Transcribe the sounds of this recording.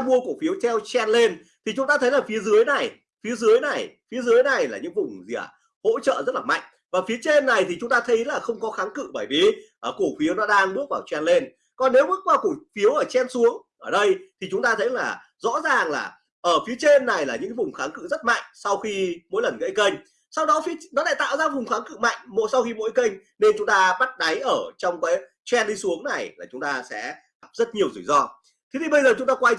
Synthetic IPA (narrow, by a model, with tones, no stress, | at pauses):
mu˧əku˧˩fi˨˦əwt̪ʰɛ˧wt͡ɕɛ˧nle˧n | t̪ʰi˨˩t͡ɕʊ˨˦ŋ͡mt̪aː˧t̪ʰə˨˦jlaː˨˩fi˨˦əzɨ˨˦əjna˨˩j | fi˨˦əzɨ˨˦əjna˨˩jfi˨˦əzɨ˨˦əjna˨˩jlaː˨˩ɲɨ̰˧˥ŋvʊ˨˩ŋ͡mzḭ˧˩ə˩ | ho̰˧˥t͡ɕə̰ː˧˨zə˦˥t̚laː˨˩ma̰˧˨jŋ̟ | vaː˨˩fi˨˦ət͡ɕe˧nːa˨˩jt̪ʰi˨˩t͡ɕʊ˨˦ŋ͡mt̪aː˧t̪ʰə˨˦jlaː˨˩xə˧wŋ͡mkɔ˨˦xaː˨˦ŋkɨ̰˧˨ɓəː˧˩jvi˨˩ʔəː˧˩ku˧˩əfi˨˦əwnɔ˨˦ɗaː˧ŋɓɨ˦˥ək̚vaː˨˩wt͡ɕwɛ˧nle˧n | kɔ˨˩nːe˨˦wɓɨ˦˥k̚kwaː˧ku˨˩fi˨˦əwʔəː˧˩t͡ɕɛ˧nsu˨˦əŋʔəː˧˩ɗə˧jt̪ʰi˨˩t͡ɕʊ˨˦ŋ͡mt̪aː˧t̪ʰə˨˦jlaː˨˩ | zɔ̰˧˥zaː˨˩ŋlaː˨˩ | ʔəː˧˩fi˨˦ət͡ɕe˧nːa˨˩jlaː˨˩ɲɨ̰˧˥ŋkːa˨˦vʊ˨˩ŋ͡mxaː˨˦ŋkɨ̰˧˨zə˦˥t̚ma̰˧˨jŋ̟sa˧wxi˧mo̰˧˥jlə˨˩nɣə̰˧˥jkə˧jŋ̟ | sa˧wɗɔ˨˦fi˨˦nɔ˨˦la̰ː˧˨jt̪a̰ː˧˨wzaː˧vʊ˨˩ŋ͡mxaː˨˦ŋkɨ̰˧˨ma̰˧˨jŋ̟mo̰˧˨˥jsa˧wxi˧mo̰˧˥jkə˧jŋ̟ | ne˧nt͡ɕʊ˨˦ŋ͡mt̪aː˧ɓa˦˥t̚ɗa˨˦jʔəː˧˩t͡ɕɔ˧wŋ͡mkaː˨˦j | t͡ɕwɛ˧nɗi˧su˨˦əŋna˨˩jlaː˨˩t͡ɕʊ˨˦ŋ͡mt̪aː˧sɛ̰˧˥ | a˨˩p̚zə˦˥t̚ɲi˨˩əwzɨ˧˩jzɔ˧ | t̪ʰe˨˦t̪ʰi˨˩ɓə˧jzəː˨˩t͡ɕʊ˨˦ŋ͡mt̪aː˧kwa˧j